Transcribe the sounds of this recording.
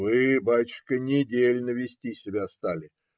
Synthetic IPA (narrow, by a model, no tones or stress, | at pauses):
vɨbajt͡ɕɪ̥ʂkənʲɪdʲelʲnəvʲɪsʲtʲisʲɪbʲast̪alʲɪ